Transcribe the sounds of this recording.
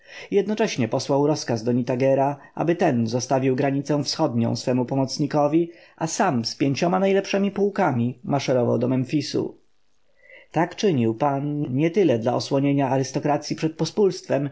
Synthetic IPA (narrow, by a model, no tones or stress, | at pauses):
jɛd̪nɔt͡ʂɛɕɲɛpɔswawɾɔskazd̪ɔɲit̪aɡɛɾaʔa̰bɘt̪ɛnzɔst̪avʲiwɡɾaɲit̪sɛw̃fsxɔd̪ɲɔ̰̃w̃sfɛmupɔmɔt̪sɲikɔvʲiasamspʲjeɲt͡ɕɔmanajlɛpʂɛmʲipuwkamʲimaʂɛɾɔva̰wd̪ɔmɛnfʲisṵ | t̪akt͡ʂɘɲiwpanɲɛt̪ɘlɛd̪laɔswɔɲeɲaːɾɘst̪ɔkɾat̪sʲjipʂɛt̪̚pɔspulst̪fɛm